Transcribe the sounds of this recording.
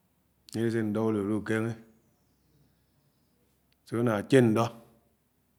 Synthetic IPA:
ɲe˦ɾe˦s̬e˦˨n̩˨dɔ˦o˦lo˨ɾu˦˨ke˦ŋe˦ | se˨˦o˦na˨t͡ʃe˦n̩˨dɔ˦

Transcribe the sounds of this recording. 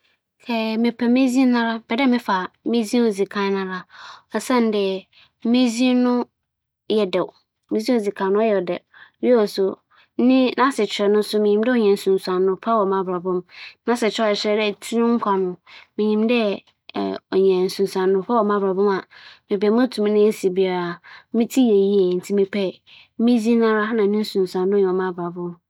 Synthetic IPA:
kʰɛ˨mɪ̃˨pʰɛ˨mĩ˦zĩ˦nã˦ɾa˦b̥ɛ˨dɛ˦˨mɪ̃˦fa˨mɪ̃˦zĩ˦o˨d͡zi˨kʰã˦nã˨ɾa˦ɔ˨sã˦n˨˦dɛ˨ | mĩ˦zĩ˦nʊ̃˦ | jɛ˨dɛ˨w | mĩ˦zĩ˦o˨d͡zi˨kʰã˨nʊ̃˦ɔ˦jɛ˨dɛ̰˨˦ɔ˨sʊ˨˦ | nɪ̃˦nã˦sɪ˨t͡ɕʰᶣɪ˨ɾɛ˨nʊ̃˦sʊ˦mɪ̃˨ɲĩ˨m˦dɛ˦ɔ˨ɲɛ̃˨n̩˨sũ˨n˨sã˨nːʊ̃˦pʰa˦wɔ˨mã˨bɾa˨bɔ̃˦mnã˦sɛ˨t͡ɕʰᶣɛ˦˨ɛ˨ɕɾɛ˦dɛ˦˨tʰi˦nʊ̃˦ŋ̩˦kʷʰa˨nʊ̃˨mɪ̃˨ɲĩ˨mdɛ̰˦ | ɔ˨ɲɛ̃˨n̩˨sũ˨n˨sã˨nːʊ̃˦pʰa˦wɔ˨mã˦bɾa˨bʊ̃˦ma˨mɪ̃˨bɛ˨˦mʊ̃˦tʰũ˨m˦nɪ̃˦si˨bi˨a˨ɾa˨˦mĩ˦tʰi˦je˨ji˦e˨n̩˨tʰi˦mĩ˨pʰɛ˨˦ | mĩ˦d͡zi˦nã˦ɾa˦a˦nã˨˦nĩ˦n̩˦sũ˨n˨sã˨nːʊ̃˦jɛ˨ɔ˨mã˦bɾa˨bʊ̃˦m

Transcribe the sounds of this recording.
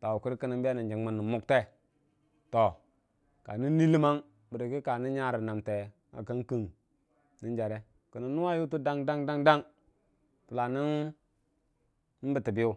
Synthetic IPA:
ta˨wu˨ku˦ɾkə˦ni˦mbi˦a˦ni˨nd͡ʒi˨ŋma˨nːi˨mu˦kte˦ | to˨ | ka˨ni˦nːi˦li˦ma˦ŋ | bə˨ɾə˨ki˦ka˨ni˦ɲa˦ɾi˨na˨mte˨ | a̰˨kə˦ŋki˨ŋ | ni˦nd͡ʒa˨ɾe˦ | kə˨ni˨nːu˦wa˦ju˦tu˦da˦ŋda˦ŋda˦ŋda˦ŋ | tu˨la˨ni˦n˦ | n̩˦bə˨ti˨bi˦u˦

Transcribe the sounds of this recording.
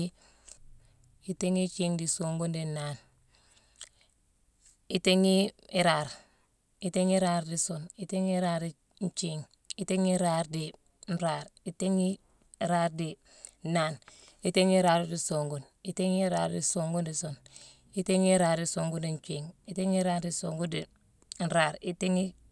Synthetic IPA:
i | i˦te˦ŋi˦t͡ʃiːŋdi˨soŋɡu˦ndi˨naːn | ite˦ŋi˦iɾaːɾ | i˨te˦ŋi˦ɾaː˦ɾdisoni˦te˦ŋi˦ɾaː˦ɾi | n̩t͡ʃiŋ | i˦te˦ŋi˦ɾaːɾdi | n̩˦ɾaːɾi˦te˦ŋi˦ | ɾaː˦ɾdi˨ | naː˨n | i˦te˦ŋi˦ɾaː˨ɾdi˨soŋɡu˨n | i˦te˦ŋi˦ɾaːɾdḭsoŋɡu˦ndison | i˦te˦ŋi˦ɾaː˨ɾdi˨soŋɡu˦ndi˨ɲ˨t͡ʃiːŋi˦te˦ŋi˦ɾaː˦ɾdi˨soŋɡu˦di | n̩˦ɾaː˨ɾi˦te˦ŋi˦

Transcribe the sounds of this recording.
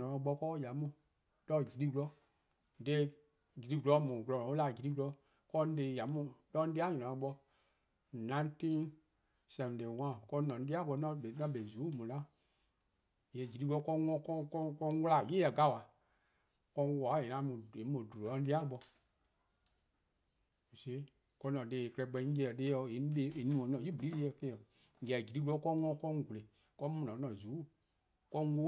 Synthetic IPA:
ɔ̃˨ɔ̃˧˦ɓɔ˧˦kɔ˦˨ja˨mũ˨ | lɔ˧˦˨d͡ʒi˨ɾi˦ɡlɔ˦˨ | de˦ | d͡ʒi˨ɾi˦ɡu˨lɔ˧˦mũ˨klɔ˧˨ɔ̃˨˦o˦la˨d͡ʒi˨ɾi˦ku˧lɔ˧˦ | kɔ˧˦n˦de˧˨ja˨mũ˦˨lɔ˦di˦a˦ɲɔ̃˨ɔ̃˨ɔ̃˧˦ɓɔ˧˨ | nã˨˦tĩ˦ | sɛ̃˨de˨wã˦˨kɔ̃˧˦nɔ̃˨n˨˦di˦a˦ɓɔ˧˦nã˧˦be˨˦nã˧˦be˨zuː˨˦mũ˨lã˦ | jɛ˨d͡ʒi˨ɾi˦ku˧o˨˧˦kɔ˧˦ŋɔ̃˧˦kɔ˦kɔ˦kɔ˧˦wla˨je˦jɛ˨ɡa˦˨wa˨ | kɔ˧˦wa˨˦je˨nã˧˦mõ˨e˨˦mõ˨du˨o˨ã˧˦di˦a˦lɓɔ˧ | o˨se˦ | kɔ˧˦nɔ̃˨de˨e˨kɛ˧ɛ˧˨˦ɡ͡bɛ˧˦d͡ʒɛ˧˨ɛ˨de˧˦ɔ˧˨e˨˦de˨˦e˨nũ˨ɔ̃˨nɔ̃˨ji˦bu˨li˨˦e˧˦ɛ˧˨kẽ˦ɛ˨ | ŋ̩˨ɡɛ˨d͡ʒi˨ɾi˦ku˦ɔ˦kɔ˦ŋɔ̃˧˦kɔ˦ɡu˨le˨ | kɔ˦mũ˨nɔ̃˨˦nɔ̃˨zuː˨˦˨ | kɔ˧˦o˦

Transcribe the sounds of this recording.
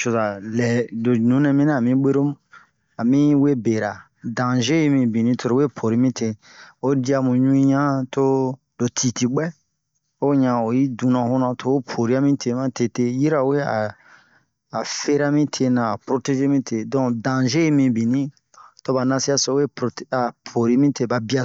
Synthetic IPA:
ʃo˨za˨lɛ˨do˨nũ˨˦nɛ̃˧mĩ˦nã˦a˨mĩ˦ɡ͡be˦ɾo˦ | a˨mĩ˦we˦be˨ɾa˨ | dã˨ʒe˦i˨mĩ˧˨bĩ˨nĩ˦to˧ɾo˨we˦pʰo˨ɾi˦mĩ˦tʰe˧ | o˦di˦a˧˨mũ˨ɲũ˦ĩ˦ɲã˦to˦ | do˨tʰi˨ti˨ɡ͡bɛ˦ | o˦ɲã˨o˨ji˦dũ˨nã˨ho˦nã˧tʰo˦o˦pʰo˨ɾi˦a˦mĩ˦tʰe˧mã˦te˨te˦ji˦ɾa˨we˦a̰˨ | fe˦ɾa˦mĩ˦tʰe˧nã˨a˨pɾo˨te˧ʒe˦mĩ˦tʰe˨dɔ̃˦dã˨ʒe˦mĩ˨bĩ˨nĩ˦ | to˦ba˨nã˧si˦a˦so˨˦we˦pta˨pʰo˨ɾi˦mĩ˦te˧˦ba˨bi˦a˧

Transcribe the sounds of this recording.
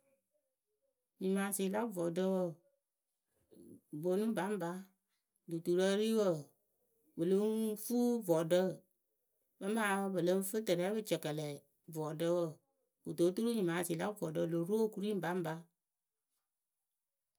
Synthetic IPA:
ɲi˨ma˨˦si˨la˦vɔ˨də˦wə˦˨ | vo˨˦nu˦ba˨˦m˦ba˦ | du˨tu˨ɾə˦ɾi˦wə˦˨ | bə˨lə˦ŋfu˦vɔ˨də˦˨ | bə˦maː˨˦bə˨lə˦n˦fɨ˦tə˨ɾɛː˦bɨ˦t͡ʃə˨kə˨lɛ˨ | vɔ˨də˦wə˦˨ | u˨to˨˦tu˦ɾu˦ɲi˨maː˨si˨la˦vɔ˨də˦˨lo˨˦ɾo˦o˦ku˦ɾi˦m˦ba˨˦m˦ba˨˦

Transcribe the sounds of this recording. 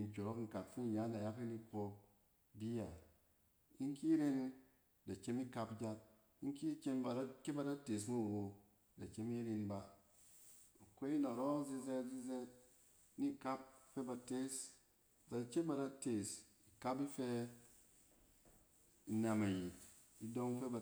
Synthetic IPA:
i˨n˨kʲo˨ɾo˦kŋ̩˨ka˨pfi˦n˨ja˦nda˨ja˦ki˦ni˦ko˧ | bi˦ja˨ | i˦ŋ˦ki˦ɾe˦n˦ | da˨t͡ʃe˦mi˦ka˧pd͡ʒa˦t̚ | i˦ŋ˦ki˦t͡ʃe˦mba˨a˦ke˦ba˨da˦te˨s̬nu˦˨wo˨ | da˨t͡ʃe˦mi˦ɾi˧nba˨ | a˨kʷe˦i˦na˨ɾo˦zi˦ze˦tzi˦ze˦t̚ | ni˦ka˦p̚fe˦ba˨te˦s | da˨t͡ʃe˦ba˨da˦te˨s | i˨ka˦pi˦fe˧ | i˨na˨ma˨ji˨t̚ | i˦do˦ŋ˦fe˦ba˨

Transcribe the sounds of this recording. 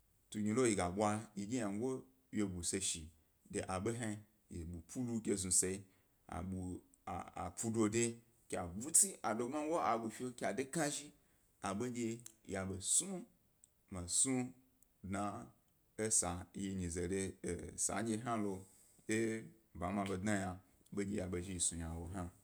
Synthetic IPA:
tu˧˨ɡʲi˧lo˦ji˨ɡa˨ɓʷa˧ji˨ɡʲi˦a˨ŋ˦ɡo˦ | je˧bu˨se˧ʃi˨ | de˨ʔa˨ɓe˦ɦa˦˧ | je˨ɓu˨pʰu˦lu˧kʲe˧zu˨se˧i˧ | a̰˨ɓṵ˨ | a̰˨pu˧do˧de˧ | kʲa˨bu˦t͡si˦ʔa˨do˧˦ma˦wo˦a˨bu˧fʲe˦kʲa˨de˦ka˦ʒi˦ | a˨ɓe˦ɡʲe˧ja˨be˨su˦ | ma˨su˦ | dna˧ | e˦sa˨˦je˧ɲĩ˨ze˨de˧˨sa̰˨˦d͡ʒe˧˦ɦa˦lo˧ | je˦ | ba˨˦mã˧be˧dna˦ja˧ | be˦ɡʲe˧ja˨be˧ʒi˦˧ji˨su˨ja˨wo˨ɦa˦

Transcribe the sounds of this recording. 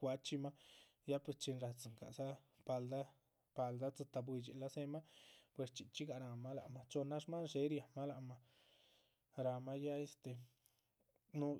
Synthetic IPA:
a˧t͡ʃi˦ma˦ | ja˦pe˧t͡ʃi˧nɾa˧˨t͡sɨ˨ŋka̰˨sa˦ | pa˧ld̪a˦ | pa˧ld̪a˦t͡sɨ˧t̪a˧bwi˧t͡ʃḭ˨la˦se˦ma˦pwe˨st͡ʃi˨t͡ʃi˦ɡa˧ɾa˧ma˦la̰˨ma˧t͡ʃo˧na˦ʂma˦nʃe˧˦ɾja˨ma˦la˨ʔma˧ | ɾa˧ma˦ja˦e˦st̪e˨ | nu˦

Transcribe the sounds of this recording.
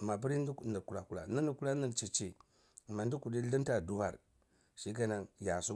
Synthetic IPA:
ma˨b̬i˦ɾi˦n˦dni˨ku˨la˨ku˦la̰˨ni˦nu˨ku˦la˦ni˦˨nt͡ʃi˨t͡ʃi˨ | ma˨ndi˦ku˨di˦li˦n˦ta˨du˦wa̰˦˨ɾ | ʃi˦ɡa˦na˨ŋja˨su˦

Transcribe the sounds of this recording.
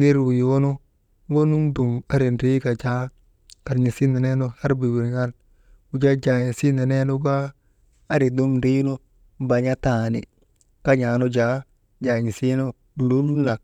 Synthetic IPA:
ni˦ɾwu˨ji˨wo˦no˦ | wo˦nu˦ŋdu˨ma˦ɾi˨nɾi˦ka˨d͡ʒa˦ | ka˨ɾɲi˨si˦ne˨ne˦no˦ha˦ɾbi˨wi˨ɾŋa˦l | u˨˦d͡ʒa˦d͡ʒa˨ɲi˨si˦ne˨ne˦no˦ɡaː˦ | ɾi˨du˦mɾi˦no˦ | ba˨ɲa˦ta˨nḭ˨ | ka˦ɲa˨no˦d͡ʒa˦ | d͡ʒa˨ɲi˨si˦no˦˨ | lu˦nu˦nla˨k̚

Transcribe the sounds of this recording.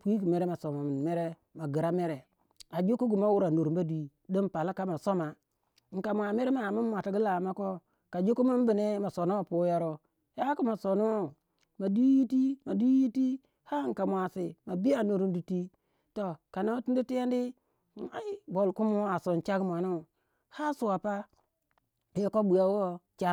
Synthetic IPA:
pi˦ki˨me˨ɾe˦ma˨so˨ma˨m˨me˦ɾe˦ | ma˨ɡi˨ɾa˦me˦ɾe˨ | a˨d͡ʒo˦ku˦ɡu˨ma˦wu˦ɾa˨nu˨ɾba˦di˨˦˨ | do˦m˦pa˨la˦ka˦ma˨so˦ma˨˦ | ŋ̩˨ka˨mʷ˨a˨me˦ɾe˦ma˨mu˦mʷ˦a˨ta˨ɡi˦la˨ma˦ko˦ | ka˨d͡ʒo˦ku˦mu˦m˦bi˨ne˦ma˨so˨no˦o˦pu˦ja˦ɾo˦ | ja˦ku˦ma˨so˨nu˦o˦˨ | ma˨di˦ji˦ti˦ma˨di˦ji˦ti˦ | ha˦ŋ̩˨ka˨mʷa˨si˨ma˨bi˦a˨nu˨ɾu˦ndi˨ti˦ | to˨ka˨no˦tu˦du˦ti˦je˦ndi˦˨ | a˨i˦bo˨lku˦mu˦a˨so˨nt͡ʃa˦ɡmʷ˨a˨nu˦˨ | ha˦su˨a˨pa˦ | je˦ko˦bu˨ja˦wo˦t͡ʃa˦

